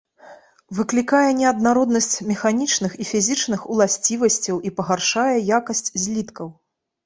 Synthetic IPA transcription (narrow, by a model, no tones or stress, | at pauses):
vɨklʲikajɛnʲɛɐd̪naɾɔd̪nɐsʲt͡sʲmʲɛxanʲit͡ʂnɨxifʲizʲit͡ʂnɨxulˠasʲt͡sʲivɐsʲt͡sʲɐwipɐɣarʂajɛjakɐsʲt͡sʲzʲlʲit̪kɐw